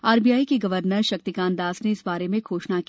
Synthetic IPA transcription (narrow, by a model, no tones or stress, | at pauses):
aːɾbijaːikeɡɐʋəɾnəɾʃɐk̚t̪ikãːnd̪aːsneɪsbaːɾemẽɡʰoːʃnak